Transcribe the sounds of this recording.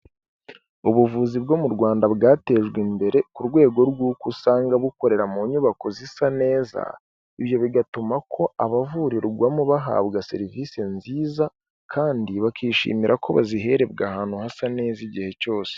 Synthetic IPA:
uβuvuːzibɡo̞muɾɡwaːndaβɡaːte̞ːʒɡwimbe̞ɾe̞kuɾɡwe̞ːɡo̞ɾɡuːkusaːŋɡaβuko̞ɾe̞ɾamuːɲuβako̞zisane̞ːza̰ | iβjo̞βiɡatumakʰo̞ʔaβavuɾiɾuɡwamoβaɦa̰ːβɡase̞̰ɾivisenziːza | kʰaːndiβakiːʃḭːmiɾʔakʰo̞βa̰ziɦe̞ɾe̞bɡahaːnhuhasane̞ːziɟihe̞co̞ːse̥

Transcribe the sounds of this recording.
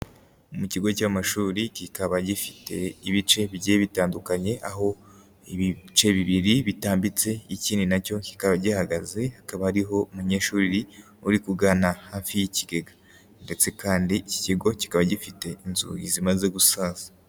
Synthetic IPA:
umuciɡo̞caːmaʃuːɾicikaβaɟifi̥te̞iβit͡ʃe̞βiɟeβitaːndukaɲe̞ʔaɦo̞ | iβit͡ʃe̞βiβiɾiβitaːmbit͡se̞iciːndinaco̞ci̥kaβaɟihaɡaze̞hakaβahaɾiɦo̞umuɲe̞ːʃuːɾiɾi | uɾikuɡaːnahaːfijiciɡe̞ɡḁ | nde̞t͡se̞kaːndiici̥ciɡo̞ci̥kaβaɟifite̞inzṵjḭzimaze̞ɡusaːzḁ

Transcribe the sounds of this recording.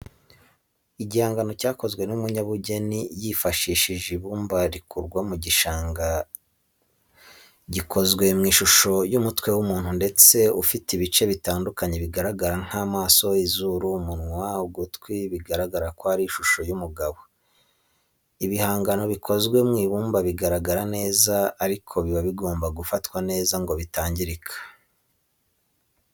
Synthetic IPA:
iɟihaːŋɡano̞caːko̞zɡwe̞numuɲaβuɟe̞nijifaʃiːʃiʒiβuːmbaɾikuɾɡwamuɟiʃaːŋɡa | ɟikʰo̞zɡwe̞mŋiːʃuʃo̞jumutwe̞wumuːn̥hunde̞t͡se̞ufitiβit͡ʃe̞βitaːndukaɲe̞βiɡaɾaɡaɾaŋ̥hamaːso̞izuɾumunŋwauɡutkwiβiɡaɾaɡaɾakwohaɾiːʃuʃo̞jumuɡaβo̞ | iβihaːŋɡano̞βikʰo̞zɡwe̞mŋiːβuːmbaβiɡaɾaɡaɾane̞ːzaːɾikʰo̞βiβaβiɡo̞ːmbaɡufatkwane̞ːzaŋɡo̞βitaːɲɟiɾikʰḁ

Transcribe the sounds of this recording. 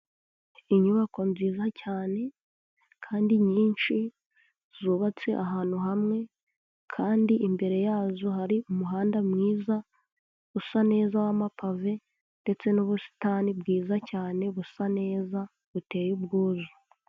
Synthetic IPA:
iɲuβako̞nziːzacaːne̞ | kʰaːndiɲiːnʃi | z̥uːβat͡se̞ʔaɦaːn̥huɦamŋe̞ | kʰaːndiʔimbe̞ɾe̞jaːzohaɾiumuɦaːndamŋiːza | βusane̞ːzawamapave̞ | nde̞t͡se̞nuβusi̥taːnibɡiːzacaːne̞βusane̞ːza | βute̞ːjubɡuːzu

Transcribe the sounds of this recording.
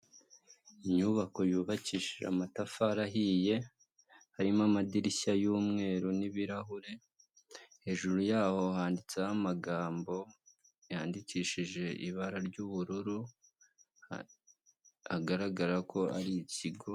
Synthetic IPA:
iɲuβako̞juːβaciʃiʒa̰matafaɾaɦije̞ | haɾimamadiɾiçajuːmŋe̞ːɾuniβiɾaɦuɾe̞ | he̞ʒuɾujaːho̞haːndit͡sehamaɡaːmbo̞ | jaːndiciːʃiʒe̞ʔḭβaɾaɾɟuβuɾuɾu | haɡaɾaɡaɾakʰo̞aɾiciɡo̞

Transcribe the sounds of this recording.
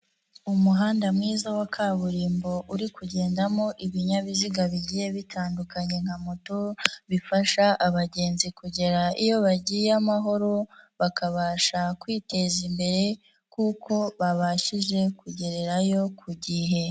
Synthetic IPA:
umuɦaːndamŋiːzawakʰaːβuɾiːmbo̞ʔuɾikuɟe̞ːndamo̞ʔiβiɲaβiziɡaβiɟiːje̞βitʰaːndukaɲe̞ŋhamotoβifaʃaʔaβaɟe̞ːnzikuɟe̞ɾaʔijo̞βaɟijamaɦo̞ɾoβakaβaːʃakwiːte̞zimbe̞ɾe̞ | kukʰo̞βaβaʃiʒe̞kuɟe̞ɾe̞ɾajo̞kʰuɟiɦe̞

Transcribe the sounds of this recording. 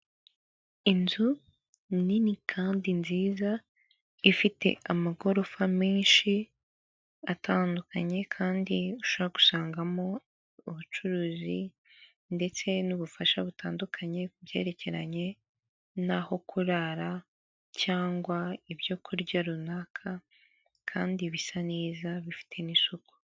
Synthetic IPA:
inzu | ninikʰaːndinziːza | ifite̞̰ʔamaɡo̞ɾo̞famiːnʃi | atʰaːndukʰaɲe̞kʰaːndiuʃoβɾaku̥saːŋɡamo̞ | uβut͡ʃuɾuːzi | nde̞t͡se̞nuβufaʃaβutaːndukʰaɲe̞ubje̞̰ːɾe̞ce̞ɾa̰ɲe̞ | naho̞kʰuɾaɾa | caːŋɡwaiβjo̞ːkʰuɾɟaɾunakʰa | kʰa̰ːndiβisaneːzaβifi̥tʰe̞nisuko̥

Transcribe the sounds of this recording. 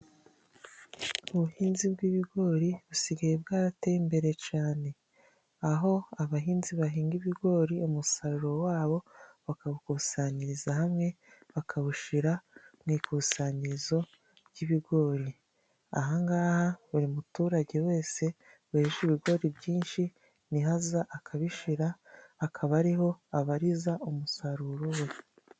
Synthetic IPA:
uβuhiːnzibɡiβiɡo̞ːɾiβusiɡajebɡaːɾatejimbe̞ɾe̞t͡ʃaːne̞ | aɦo̞aβaɦiːnziβaɦiːŋɡiβiɡo̞ːɾiumusaɾuɾo̞waːβo̞βakaβukuːsaːɲiɾizahamŋe̞ | βakʰaβuʃiɾamŋiːkusaːɲiɾizo̞ | βɟiβiɡo̞ːɾi | a̰ɦaŋɡaːhaβuɾimutuːɾaɟe̞we̞ːse̞ | βaeʃiβiɡo̞ɾibɟiːnʃi | niɦazaʔakʰaβiʃiɾaːkʰaβaɾiho̞aβaɾizaumusaɾuɾowe̞

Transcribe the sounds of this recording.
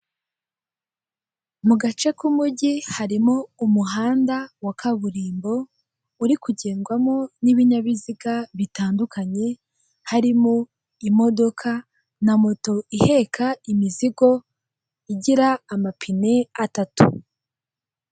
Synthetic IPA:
muɡat͡ʃe̞kumuɟihaɾimoumuɦaːndawakʰaβuɾiːmbo̞ | uɾikuɟeːŋɡwamo̞niβiɲaβiziɡaβitaːndukaɲe̞ | haɾimo | imo̞do̞kʰa | namoto̞ʔihe̞kʰaimiziɡo̞ | iɟiɾaːmapʰine̞atatṵ

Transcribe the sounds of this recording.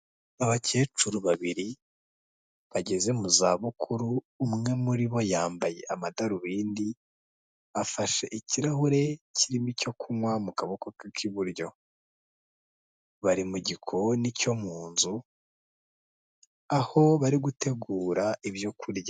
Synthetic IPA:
aβace̞ːt͡ʃuɾuβaβiɾi | βaɟe̞ze̞muzaβukʰuɾuː | mŋe̞muɾiβo̞jaːmbaje̞̰ʔamadaɾuβiːndi | afaʃe̞ʔiciɾaɦuɾe̞cʰiɾimico̞kʰumwamukaβokokakʰiβuɾjo̞ | βaɾimuɟikʰo̞nico̞muːnzu | aho̞βaɾiɡute̞ɡuːɾaiβjo̞kʰuɾja

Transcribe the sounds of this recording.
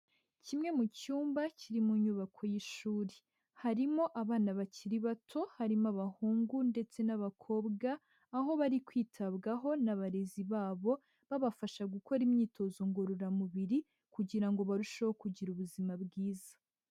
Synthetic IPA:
cimŋe̞mucuːmbaciɾimuɲuβakʰo̞jiʃuːɾe | haɾimo̞ʔaβaːnaβaciɾiβatʰo̞haɾimaβahuːŋɡunde̞t͡se̞naβakʰo̞ːbɡaː | ɦo̞βaɾikwiːtʰaβɡaɦo̞naβaɾeziβaːβo̞ | βaβafaʃaɡuko̞ɾimɲiːtʰo̞zoŋɡoɾoɾamuβiɾi | kuɟiɾaŋɡo̞βaɾuʃahokuɟiɾuβuzimabɡiːzḁ

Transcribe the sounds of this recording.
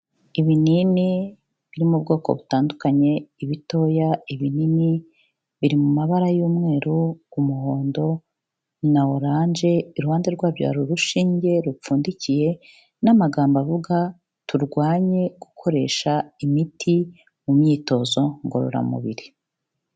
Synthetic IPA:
iβinini | βiɾimubɡo̞ːko̞̰βutaːndukaɲe̞iβito̞ːjaiβinini | βiɾimumaβaɾajuːmŋe̞ːɾuːmuho̞ːndo̞ | nawoɾaːɲd͡ʒe̞iɾuhaːnde̞ɾɡwaːβja̰ɾuɾuʃiːɲɟe̞ɾup͡fuːndicije̞ | namaɡaːmbavuɡa | tʰuɾɡwaːɲe̞ɡ̥ukʰo̞ɾe̞̰ːʃaimitʰi | mumɲiːto̞zo̞ŋɡoɾṵɾa̰mṵβḭɾi

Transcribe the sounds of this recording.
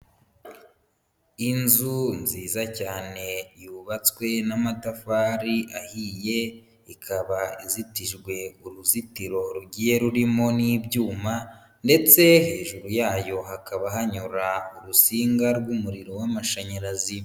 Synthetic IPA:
inzunziːzacaːne̞juːβat͡swe̞namatafaːɾiʔahiːje̞ | ikʰaβaizitiʒɡwe̞uɾuzitiɾo̞ɾuɟije̞ɾuɾimo̞niːbɟuːma | nde̞t͡se̞he̞ːʒuɾujaːjo̞ɦakaβaɦaɲuɾauɾusiːŋɡaɾɡumuɾiɾowamaʃaɲaɾazi

